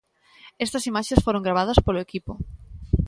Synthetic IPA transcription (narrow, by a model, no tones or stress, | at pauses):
ɛst̪ɐsimaʃesfoɾõŋɡɾaβ̞aðɐspolʊekipʊ